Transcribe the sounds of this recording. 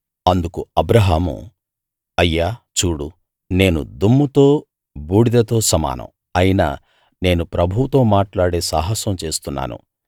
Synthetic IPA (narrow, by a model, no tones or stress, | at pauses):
ɐnd̪ukuɐbɾɐɦaːmṵ | ɐjːaːt͡ʃuːɽu | ne̞ːnṵd̪umːut̪o̞ː | buːɽid̪ɐt̪o̞ːsɐma̰ːnʔɐ̰m | ɐjinɐ̰ | ne̞ːnupɾɐbʱuwut̪o̞ːmaːʈlaːɽe̞ːsaːɦɐsɐmt͡ʃe̞ːst̪unːa̰ːnṵ